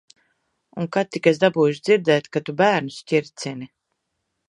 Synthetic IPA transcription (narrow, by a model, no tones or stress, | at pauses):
uŋkat̪ːikɛs̬d̪abuːjuʃd̪ziɾd̪ɛːt̪kat̪ubæːɾnusciɾt̪sini